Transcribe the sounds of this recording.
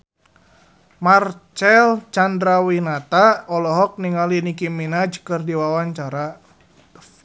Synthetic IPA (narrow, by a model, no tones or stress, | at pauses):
mart͡ʃɛlt͡ʃandɾawinat̪aɔlɔɦɔk̚niŋalinikiminad͡ʒkɨrdiwawaɲt͡ʃaɾa